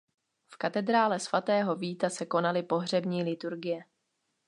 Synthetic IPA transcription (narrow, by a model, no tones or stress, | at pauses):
fkat̪ɛd̪ɾaːlɛsv̥at̪ɛːɦo̞viːt̪asɛko̞nalɪpo̞ɦr̝ɛbɲiːlɪt̪uɾɡɪjɛ